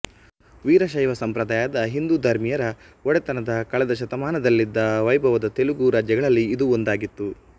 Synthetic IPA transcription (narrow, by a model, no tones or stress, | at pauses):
ʋiːɾɐʃɐjʋɐsɐmpɾɐd̪aːjaːd̪ɐɦind̪ud̪ʱɐɾmijɐɾɐ | ɔɽɛt̪ɐnɐd̪ɐkɐɭɛd̪ɐʃ̬ɐt̪ɐmaːnɐd̪ɐlːid̪ːɐʋɐjbʱɐʋɐd̪ɐt̪e̞luɡuɾaːd͡ʒjɐɡɐɭɐlːiːd̪uond̪aːɡit̪ːu